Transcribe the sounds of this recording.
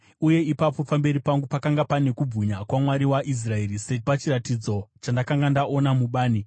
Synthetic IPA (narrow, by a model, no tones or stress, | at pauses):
uje̞ipapo̞pambe̞ɾipaŋɡupakaŋɡapane̞kub͡vʱuɲakwamwaɾiwaʔis̬rae̞ɾisepat͡ʃiratid͡zo̞t͡ʃandakaŋɡandaʔo̞namuɓaːni